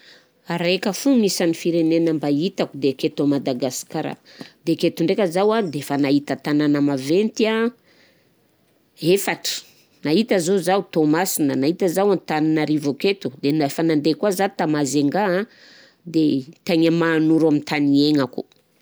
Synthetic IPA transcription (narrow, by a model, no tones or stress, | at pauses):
aɾekəfuŋisanifiɾenenəmbait̪akud̪eket̪omad̪aɡasi̥kaɾa̰d̪eket̪uɳɖ͡ʐekəzawad̪efanaɦit̪ət̪ananəmavent̪ia | efaʈ͡ʂə̥ | naɦit̪əzozawt̪omasinənaɦit̪əzawant̪aninaɾivoket̪ud̪enafanand̪ekwazat̪amazeŋɡã | d̪et̪eɲamaːnuɾamint̪ʰanieŋakṵ